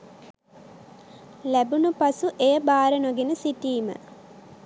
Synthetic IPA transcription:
læbunupasuʔejəbaːɾənoɡenəsitiːmə̰

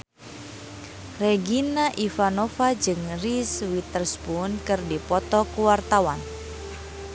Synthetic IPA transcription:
reɡinaʔifanɔfad͡ʒɨŋriswit̪ərsbunkɨrdipɔt̪ɔkuwart̪awan

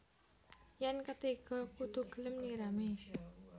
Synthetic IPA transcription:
jankat̪eɡ̥ɔkud̪ṳɡ̥ə̤lɪmniɾame

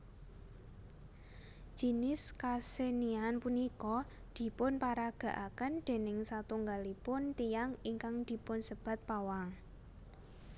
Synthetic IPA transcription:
d̥ʒ̥i̤nɪskasenianpunikɔ | d̪̥i̤pʊnpaɾaɡ̥ä̤ʔakənd̪̥e̤nɪŋsat̪uŋɡalipʊnt̪ijaŋiŋkaŋd̪̥i̤pʊnsəb̥a̤t̪̚pawaŋ

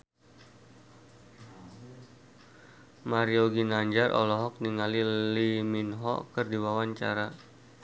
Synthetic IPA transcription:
maɾioɡinaɲd͡ʒarʔɔ̰lɔɦɔk̚niŋaliliminɦɔ̰kərdiwawaɲt͡ʃa̰ɾa

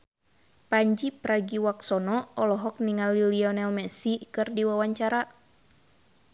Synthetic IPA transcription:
paɲd͡ʒipɾaɡiwaksɔnɔɔlɔɦɔk̚niŋaliliɔnɛlmɛsikɨrdiwawaɲt͡ʃaɾa

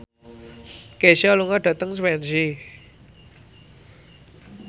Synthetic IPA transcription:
keʃaluŋaɖ̥ä̤t̪əŋswɛnd͡ʒi

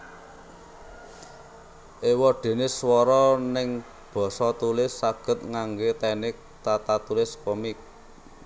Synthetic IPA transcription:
ʔewɔɖ̥e̤nɪswɔɾɔnɪŋ | b̥ɔ̤sɔt̪ulɪsːaɡ̥ə̤t̪̚ŋaŋɡet̪ɛnɪk̚t̪at̪at̪ulɪskɔmik̚

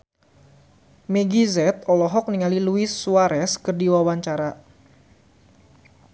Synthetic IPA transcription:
meɡizɛt̪̚ɔlɔɦɔk̚niŋaliluisːuaɾɛskərdiwawaɲt͡ʃaɾa

